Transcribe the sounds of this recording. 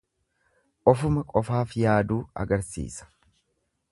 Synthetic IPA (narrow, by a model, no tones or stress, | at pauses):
ʔɔfʊmɐkʼɔfaːfjaːd̪uːɐ̰ɡɐɾsḭːsɐ̥